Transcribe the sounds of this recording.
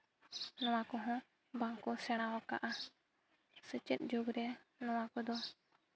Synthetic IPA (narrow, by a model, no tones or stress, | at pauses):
nɔwakɔɦɔ̃ | baŋkɔsɛɽ̃awɔka̰ʔa | sət͡ʃət̪̚d͡ʒoɡɾɛnɔwakɔd̪ɔ